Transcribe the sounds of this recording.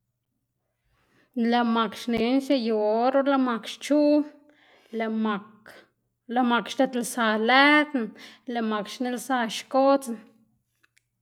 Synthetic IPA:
la˧ma˨kʃne˨˦nʃe˧jo˨ɾo˦la˧ma˧kʃt͡ʃu˦ | la˧ma˨ | la˧ma˨kʃt̪e˧t̪lsa˧læ˦d̪nle˧ma˨kʃne˧lsa˧ʃko˦t͡sn

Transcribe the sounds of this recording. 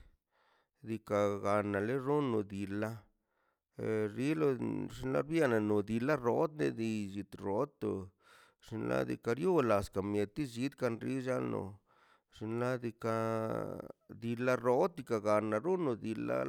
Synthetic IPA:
d̪i˧ka˨ɡa˨na˨le˦ɾo˦no˨d̪i˨la˦ | ɾi˦lo˧ʐi˧nla̰˦ɾbja˦na˨no˨d̪i˧la˦ɾo˦d̪nḛ˧d̪i˧ʒi˨t̪ɾo˨˦t̪ːo˨ | ʂi˧nlʔa̰˦d̪ḭ˧ka˧ɾjo˦la˨ska˨mje˨t̪i˦ʒi˧˦d̪ka˧nɾi˦ʒa˦lno̰˨ | ʐ̥i˧nla˦d̪i˧ka˧ | d̪i˧la˦ɾo˦d̪̚d̪i˧ka˨ɡa˨na˨ɾo˦no˧d̪i˨˧la̰˧˦

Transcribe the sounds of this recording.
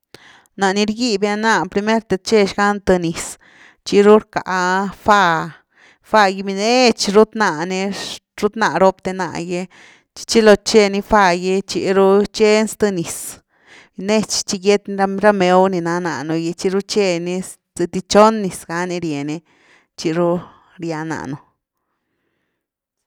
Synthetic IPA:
na˨ni˧ɾɡi˧bja˧na˧pɾi˧me˦ɾt̪e˧t͡ʃe˧ʃɡa˦nt̪ɨ˧ni˨s | t͡ʃi˧ɾu˦ɾka̰˨fa˧ | fa˧ji˧mi˧ne˦t͡ʃɾu˦t̪na˧˨ne˧ɾu˦t̪na˧˨ɾo˧pt̪e˧na̰˧˨je˧ | t͡ʃi̥˧t͡ʃi˦lo˧t͡ʃe˧ni˧fa˧je˧t͡ʃḭ˧ɾu˦t͡ʃe˦nst̪ɨ˧ni˨s | ne˦t͡ʃt͡ʃi˦ɡe˦t̪n˧ɾa˧ɾa˦me˧˦wni˧na˧na˨nu˧je˧t͡ʃi˦˧ɾu˦t͡ʃe˧ni˧ | z̥e˧t̪i˧t͡ʃo˦nːi˨sɡa˧˦ni˧ɾje˨ne˧ | t͡ʃi˧ɾu˦ | ɾja˧na̰˨ʔnu˧

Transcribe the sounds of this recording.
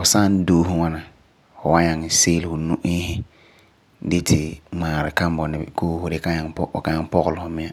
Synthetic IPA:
fʊ˨sa˦n˦doː˦hʊ˦ŋa˦na˨ | fʊ˨wa˦ɲa˨ŋ˨seː˦lɪ˨hʊ˨nu˦ʔɪː˦hɪ˦ | dɪ˦tʰɪ˨maː˨ɾɪ˨ka˦m˦bɔ˨nɪ˨koː˦hʊ˦dɪ˦ka˦ɲa˨ŋpɔ˦˨ka˨˦ɲa˦ŋpɔ˦ɣʊ˨lʊ˨hʊ˨mɪ̃˦ja˦

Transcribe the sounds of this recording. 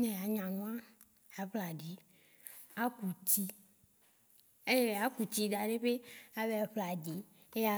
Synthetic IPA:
nɛ̃˨a˨ɲã˨nũ˦a˦ | a˨ɸla˨ɖi˨ | a˦ku˨t̪i˦ | e˦˨a˨˦ku˨t̪i˦d̪a˨ɖe˦ɸe˦a˨be˦a˨ɸla˨d̪i˨ | e˦ja˦

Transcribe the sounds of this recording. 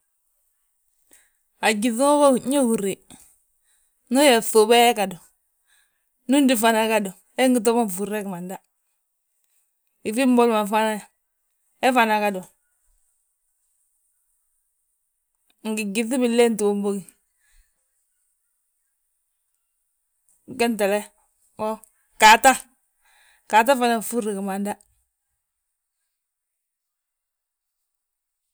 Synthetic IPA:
a˨ɡi˨θu˦ŋo˦ba˦˨ɲe˦hu˨ɾe˨ | no˦je˨θu˨be˦ɛ˦ka˨do˨ | nu˦ndi˨fa˨na˨ka˦do˨ | e˦ŋɡi˨t̬o˦ma˦ɱ˨fu˨ɾe˦kma˨nda˦ | i˨fi˦mbo˦lma˨fa˦na˦ja˨ | e˦fa˨na˨ka˦do˨ | ŋ̩˨ɡi˨ɡi˨θi˦bi˨le˦n˦to˦m˦bo˦ki˨ | kɛ˦n˦tɛ˨lɛ˦ | wɔ˦ | ka˨ta˦ | ka˨t̬a˦fa˦na˦˨fu˦ɾi˨kə˨ma˨nda˦

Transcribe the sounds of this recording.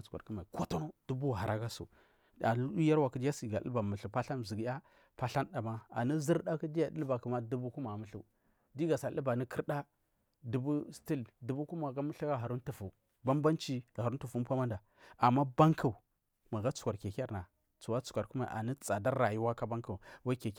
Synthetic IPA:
t͡su̥˨kʷa̰˨ku˦ma˨i˨ko˦to˦no˦d̥u˦bu˦˨ɦa˨ɾa˨˦ɡa˦sṵ˨ | a˨lu˦u˦ja˦ɾwa˨kə˦di˦a˦si˨ɡa˨ḭ˦ba˨mu˨ɬu˨pa˦ɬa˦nzi˨ɡja˦ | pa˦ɬa˦nda˨ma˦a̰˨ni˦zi˦ɾɗa˦ki˦di˦ja˨˦di˦ba˨kə˨ma˦du˦bu˦ku˦ma˨mu˨ɬṵ˦ | di˦ɡa˨sa˨ə̰˦ba˨ni˦ki˦ɾɗa˦ | du˨bu˦sti˦ldu˨bu˦ku˦ma˨ɡa˦mə˦ɬa˦ɡa˦ɦa˨ɾu˦ntu˨fu˨ | ba˦mba˦nt͡ʃi˦˨ha˨ɾu˦n˦tu˨fu˦m˦pʷa˦ma˦nda˨ | a˨mːa˦ba˦ŋkʰu˨ | ma˨ɣa˦t͡su̥˨ka˨ɾke˨ka˦ɾna˨ | t͡su˨wa˦t͡su̥˨kʷa˨ɾku˦ma˨ʔa̰˨ni˦t͡sa˨da˦ɾa˨ju˦wa˦ka˦ba˦ŋku˨wa˦i˦ke˨k

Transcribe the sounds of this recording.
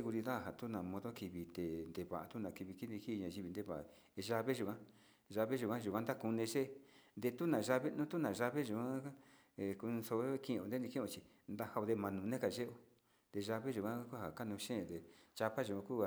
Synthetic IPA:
e˦˧ɣu˧ɾi˧ða˦˨ɦa˨t̪u˦nã˨mõ˧ðo˦ki˧βi˧t̪e˨nd̪e˧βa˨ʔa˧t̪u˦nã˧˨ki˧βi˧ki˦d̪i˧ki˦˧ɲã˧ʒi˧βi˧nd̪e˧βa˨ʔa̰˨˧ | ʒa˧βe˦ʒu˨kã˦ | ʒa˧βe˦ʒu˨kã˦ʒu˨kʷã˦nd̪a˦ku˧nẽ˧ʒe˦nd̪e˧t̪u˦nã˨ʒa˧βe˦nũ˦t̪u˦nã˨ʒa˧βe˦ʒu˨kʷã˦˧ | ku˧so˧˦˧kĩ˧õ˧nd̪e˦ni˧kĩ˦õ˧t͡ʃi˧ | nd̪a˦ha˧o˧ðe˧mã˧nũ˨˧nẽ˦ka˨ʒe˦ʔo˧ | nd̪e˧ʒa˧βe˦ʒu˨kʷã˦kʷa˦ha˨ka˦nũ˧ʃẽ˦˧˨d̪e˨t͡ʃa˧βa˦ʒu˨kʷã˧ku˦a˧

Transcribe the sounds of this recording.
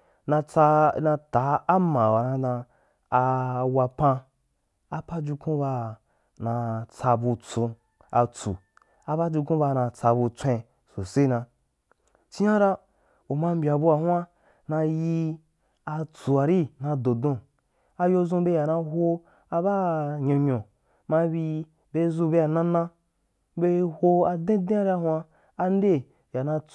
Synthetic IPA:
na˧t͡sa˧nã˧ta˨˦a˦mã˨wa˨nã˧dã˧ | a˧wa˧pã˧ | a˨pa˦d͡ʒu˧kũ˦ba˧ | nã˧t͡sa˧bu˧t͡sũ˧ | a˧t͡sṵ˨ | a˧ba˦d͡ʒu˧kũ˦ba˧nã˧t͡sa˧bu˧t͡sʷẽ˧ | so˨se˦nã˧ | t͡ʃi˦jã˦ɾa˦ | o˨mã˧m̩˦bʲa˨bu˧a˨hw̃a˦ | nã˧ji˧ | a˧t͡su˨a˨ɾi˦nã˧dõ˨dõ˧ | a˧jo˧zũ˧be˧ja˨nã˧ɦo˧ | a˧ba˦ɲõ˧ɲõ˨ | mã˧bi˧ | be˧zu˧be˧a˨nã˦nã˦ | be˧ho˧a˧dẽ˦dẽ˦a˦ɾi˦a˧hũ˦aː˧ | n˦de˦ | ja˨nã˧

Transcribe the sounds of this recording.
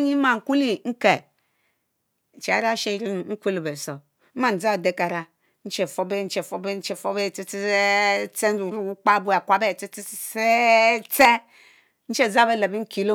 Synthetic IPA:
ɲi˦ma˨ŋ̩˨ku˦li˦ŋ̩˦ke˨ | n̩˨t͡ʃe˨a̰˦ɾa˦ʃe˦ɾi˦˨ŋ̩˦kʷu˦li˨be˨so˨˦ | ma˦˨n̩˨d͡za˦˨de˦ka˨ɾa˦ | n̩˦t͡ʃe˨fo˦be˦n̩˦t͡ʃe˨fo˨˦be˦n̩˦t͡ʃe˨fo˦be˦˨t͡si˦t͡si˦e˦t͡se˦n̩˦u˨˦ɾu˦˨u˦k͡pa˦˨bu˦a˨kʷa˨be˦˨t͡si˦t͡si˦e˦t͡se˦ | n̩˦t͡ʃe˦˨za˦be˦la˨bi˦ŋ̩˦ki˨lo˦

